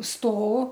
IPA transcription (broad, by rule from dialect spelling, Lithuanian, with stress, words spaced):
ˈstoː